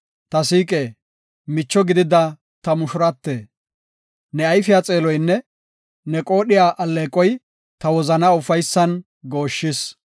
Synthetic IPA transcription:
t̪ɐsiːkʼeː | mɪt͡ʃːɔɡɪd̪ɪd̪ɐ | t̪ɐmʊʃʊɾɐt̪ːeː | nɛɐjfɪjaːt͡sʼe̞ːlɔjnːɛ | nɛkʼo̞ːɗɪjaːʔɐlːeːkʼːɔj | t̪ɐwɔzɐnaʊfɐjsːɐn | ɡo̞ːʃːɪs

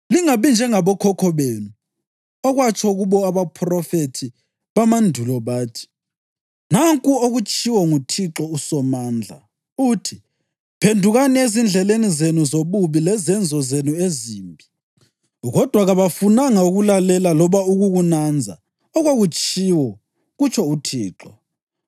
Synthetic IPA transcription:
liŋaβind͡ʒʱɛŋaβɔkʰɔkʰɔβenu | ɔɣwat͡ʃʼʰɔɣuβɔaβapʰrɔfetʰi | βamandʱulɔβaːtʰi̥ | naŋkʼuoɣut͡ʃʼiwɔŋutʰiǁɔusɔmaːnd͡ɮʱa̰ | utʰi | pʰendʱuɣaniezind͡ɮʱɛlenizenuzoβuβilɛzɛnd͡zʱɔzenueziːmbʱi | ɣɔd̥ʱwaɣaβafunaŋauɣulalɛlalɔβauɣuɣunand͡zʱa̰ | ɔɣoɣut͡ʃʰʼiwɔ | ɣut͡ʃʰɔutʰḭːǁɔ

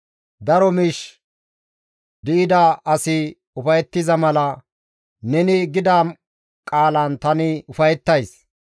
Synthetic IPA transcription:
d̪ɐɾɔmɪʃ | d̪ɪʔɪd̪ɐʔɐsɪ | ʊfɐjɛt̪ːɪzɐmɐlɐ | nɛnɪɡɪd̪aː | kʼaːlɐnt̪ɐnɪʊfɐjɛt̪ːɐjs

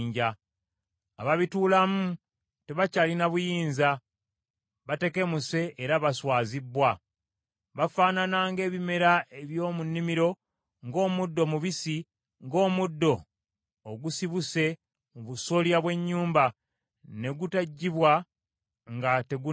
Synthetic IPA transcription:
ɲɟa | aβaβituːlamu | te̞βacaːlinaβujiːnza | βate̞ke̞muse̞ʔːɾaβaswaːzibːwa | βafaːnanaːŋɡe̞ːβime̞ɾaeβjo̞ːmunːimiɾo̞ | ŋɡo̞ːmudːo̞muβisi | ŋɡo̞ːmudːo̞ː | ɡusiβuse̞ | muβuso̞ljaβwe̞ɲːuːmba | ne̞ɡutaɟːiβwa | ŋɡate̞ɡu

